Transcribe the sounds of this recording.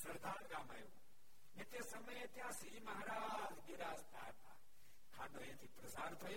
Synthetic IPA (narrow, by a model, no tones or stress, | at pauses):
sɐɾd̪ʱaːɾɡaːmaːjo | nẽt̪eːsəməjet̪jãːsimɐɦaɾaːd͡ʒɡɪɾaːsd̪a̰ːɾt̪ã̰ː | kʰaːɖõːẽːt̪ʰiːpɾəsaːɾt̪ʰoːjo